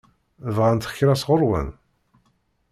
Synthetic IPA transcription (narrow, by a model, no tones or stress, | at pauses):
ðʁant̪χçɾæsʁʊɾwə̰n